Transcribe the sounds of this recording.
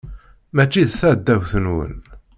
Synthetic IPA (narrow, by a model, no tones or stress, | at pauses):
mæt͡ʃːiðθæd̪ːæwθənwə̰n